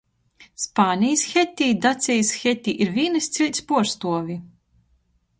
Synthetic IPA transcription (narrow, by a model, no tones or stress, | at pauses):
spaːnʲijsxɛt̪ʲːiːd̪at̪sʲijsxʲɛt̪ʲːiːʔiɾvʲiːnɨst̪sʲilʲt̪ʲspuɔɾst̪uɔvʲi